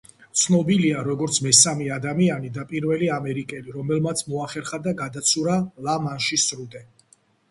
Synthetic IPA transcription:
t̪sʰnɔbiliaɾɔɡɔɾt̪sʰmɛsamɛad̪amianid̪apʼiɾvɛliamɛɾikʼɛliɾɔmɛlmat̪sʰmɔaχɛɾχad̪aɡad̪at̪sʰuɾalamanʃisɾud̪ʼɛ

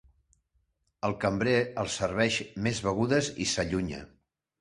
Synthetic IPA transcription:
əlˠkəmbɾeəlˠsərβ̞ɛʃmezβəɣ̞uðəzḭsəʎuɲə̰

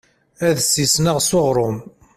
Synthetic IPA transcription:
æðsːisnəʁsoʁɾˤʊm

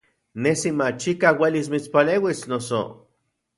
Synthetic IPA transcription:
nesimat͡ʃikawelis̬mit͡spaleːwisnoso̰

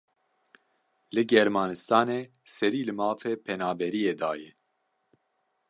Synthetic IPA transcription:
lɨɡɛɾmɑːnɨst̪ɑːneː | sɛɾiːlɨmɑːfeːpʰɛnaːbɛɾijeːd̪ɑːjɛ

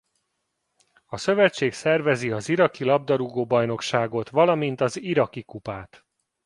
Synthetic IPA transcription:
ɒsø̞vɛt͡ʃːeːksɛrvɛziɒziɾɒkilɒb̚d̪ɒɾuɡoːbɒjno̞kʃaːɡo̞t̪ʋɒlɒmint̪ɒziɾɒkikupaːt̪

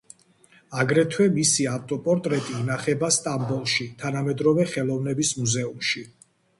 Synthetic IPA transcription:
aɡɾɛt̪ʰwɛmisiaft̪ʼɔpʼɔɾt̪ʼɾɛt̪ʼiːnaχɛbast̪ʼambɔlˠʃit̪ʰanamɛd̪ɾɔvɛχɛlˠɔvnɛbismuzɛumʃi

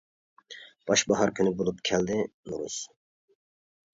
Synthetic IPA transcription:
b̥ɑʃbɑɦɑɾkʰynybulˠupkʰɛld̪ɪnuɾṵs

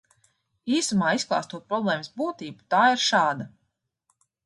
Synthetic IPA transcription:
iːsamaːisklˠɑ̰ːst̪uɔt̪̚pɾɔblˠɛːməsbuːt̪iːbu̥t̪aːiɾʃaːd̪a

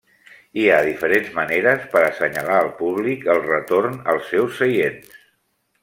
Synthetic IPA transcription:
iaðifəɾenzməneɾəspəɾəsəɲəlaəlˠpuβlikəlˠrət̪oɾnəlˠsːɛwsːəjens

